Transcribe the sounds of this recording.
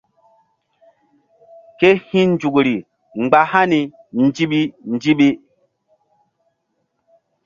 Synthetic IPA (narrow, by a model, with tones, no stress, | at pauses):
ke˦hĩ˦nd͡ʒu˨kɾi˨ | ŋ͡mɡ͡ba˨ha˦ni˨ | n˦d͡ʒi˦ɓi˦n˦d͡ʒi˦ɓi˦